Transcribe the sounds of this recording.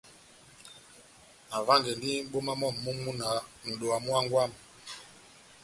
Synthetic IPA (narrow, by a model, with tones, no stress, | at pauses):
a˨va˦ŋɡɛ˨ndi˦ɓo˦ma˦mɔ˦˨mːu˦mu˦na˨˦n̩˨ɗo˨a˨mu˦a˦ŋɡwa˦˨m